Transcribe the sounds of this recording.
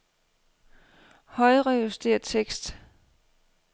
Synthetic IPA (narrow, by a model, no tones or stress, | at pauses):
hɒ̽ɪʁɛjusd̥e̝̰ːɐt͡sʰeɡ̥sd̥